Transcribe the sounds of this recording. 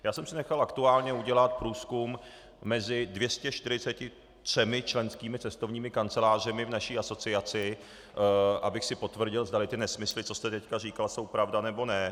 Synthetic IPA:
jaːsɛmsɪnɛxalakt̪uaːlɲɛuɟɛlat̪̚pɾuːskumː | ɛzɪdvjɛscɛʃt̪ɪɾɪt͡sɛcɪ | t̪r̥ɛmɪt͡ʃlɛnskiːmɪt͡sɛst̪ovɲiːmɪkant͡sɛlaːr̝ɛmɪvnaʃiːʔaso̞t͡sɪat͡sɪ | ʔa̰bɪxsɪpo̞t̪vr̩ɟɪlzd̪alɪt̪ɪnɛsmɪslɪt͡sost̪ɛt̪ɛckariːkalso̞wpɾavdanɛbo̞nɛ

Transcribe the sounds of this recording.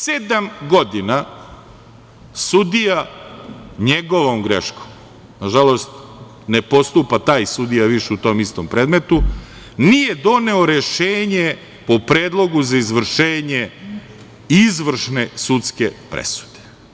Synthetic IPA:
sed̪amɡod̪ina | sud̪ija | ɲeɡo̞ʋomɡɾeʃkom | naʒalo̞st̪ | ne̞po̞st̪upat̪aːjsud̪ijaʋiʃeut̪o̞ːmist̪o̰mpɾeːd̪met̪u | nijed̪o̞ne̞o̞ɾeʃeːɲe | po̞pɾeːd̪lˠo̞ɡuzaizʋr̩ʃeːɲe | izʋr̩ʃne̞sut̪skepɾḛsu̥d̪e̥

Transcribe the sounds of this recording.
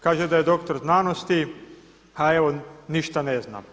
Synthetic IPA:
kaːʒed̪ajed̪okt̪oɾznaːnost̪i | aeʋoniʃt̪anezna̰m

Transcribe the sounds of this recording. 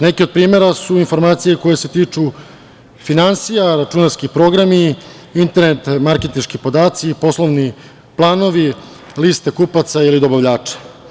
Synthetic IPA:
ne̞keod̪̚pɾiːme̞ɾasuinfo̞ɾmaːt̪sije̞ko̞je̞se̞t̪iːt͡ʂu | finansijaɾat͡ʃunaskipɾo̞ɡɾami | int̪e̞ɾnet̪maɾke̞t̪inʃkipo̞d̪aːt̪sipo̞slˠo̞ʋni | plˠaːno̞ʋi | list̪ekupat̪sailid̪o̞baʋʎaːt͡ʂḁ

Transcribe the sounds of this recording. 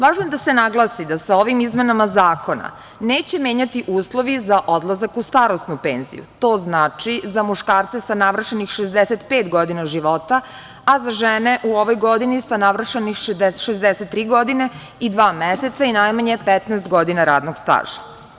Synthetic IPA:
ʋaːʒnojed̪ase̞naɡlˠasid̪asao̞ʋimizmenamazaːko̞na̰ | neːt͡ɕe̞mje̞ːɲat̪iʔuːslˠo̞ʋizaʔo̞d̪lˠazakust̪aːɾosnupeːnzḭjṵt̪o̞ːznaːt͡ʃizamuʃkaːɾt̪sesanaʋr̩ʃenixʃezd̪eset̪peːt̪ɡo̞d̪inaʒiʋo̞t̪aː | zaʒeneʔuoʋojɡo̞d̪inisanaʋr̩ʃenixʃed̪eʃezd̪eset̪ːɾiːɡo̞d̪ine | id̪ʋaːmeset̪sainajmaɲepɛt̪nɛːst̪ɡo̞d̪inaɾa̰ːd̪noɡst̪a̰ːʒḁ

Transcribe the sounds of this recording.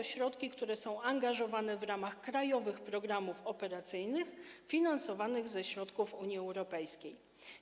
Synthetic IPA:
ɔɕɾɔt̪kʲikt̪uɾɛsɔ̃w̃aŋɡaʐɔvanɛvɾamaxkɾajɔvɘxpɾɔɡɾamufɔpɛɾat̪sɘjnɘxfʲinansɔvanɘɣzɛɕɾɔt̪kufuɲjiɛwɾɔpɛjskʲej

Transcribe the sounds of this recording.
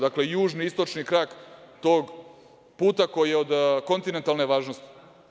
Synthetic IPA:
d̪akle̞juːʒniist̪o̞t͡ʃnikɾaːkt̪o̞ːɡ | puːt̪ako̞jijeo̞d̪ko̞nt̪inent̪alˠneʋaːʒnost̪i̥

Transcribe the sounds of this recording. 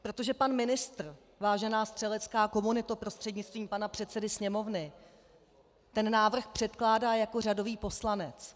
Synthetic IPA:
pɾo̞t̪o̞ʒɛpanmɪnɪst̪r̩ | vaːʒɛnaːst̪r̥ɛlɛt͡skaːko̞munɪt̪upɾo̞st̪r̥ɛdɲɪt͡st̪viːmpanapr̝̥ɛt̪sɛdɪsɲɛmo̞vnɪ | t̪ɛnːaːvr̩xpr̥ɛt̪klaːdaːjako̞r̝ado̞viːpo̞slanɛt͡s

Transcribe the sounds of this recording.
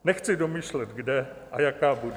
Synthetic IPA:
nɛxt͡sɪdo̞miːʃlɛt̪ɡdɛ | ʔajakaːbud

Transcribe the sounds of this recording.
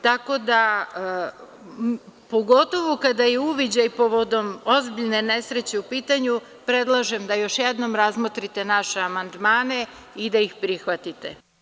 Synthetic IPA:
t̪ako̞d̪a | po̞ɡo̞t̪o̞ʋokad̪ajeuʋid͡ʑajpo̞ʋo̞d̪o̞mo̞zbiʎne̞ne̞sɾet͡ɕe̞upiːt̪aɲu | pɾe̞d̪lˠaʒemd̪ajo̞ʃjed̪no̞mɾazmot̪ɾit̪e̞naʃeamand̪maːne̞ | id̪aixpɾixʋat̪it̪ḛ

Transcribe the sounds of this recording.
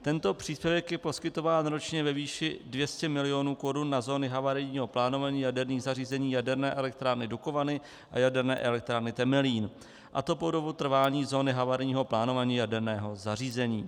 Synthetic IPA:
t̪ɛnt̪o̞pr̥iːspjɛvɛkjɛpo̞skɪt̪o̞vaːnɾo̞t͡ʃɲɛvɛviːʃɪdvjɛscɛmɪlɪjo̞nuːko̞ɾunːazo̞ːnɪɦavaɾɪɲiːɦo̞plaːnovaɲiːjadɛɾniːɣzariːzɛɲiːjadɛɾnɛːʔɛlɛk̚t̪ɾaːɾnɪduko̞vanɪ | ʔa̰jadɛɾnɛ̰ːʔɛlɛk̚t̪ɾaːɾnɪt̪ɛmɛliːn | ʔa̰t̪o̞podo̞but̪r̩vaːɲiːzo̞ːnɪɦavaɾɲiːɦo̞plaːno̞vaɲiːjadɛɾnɛːɦo̞zariːzɛɲiː

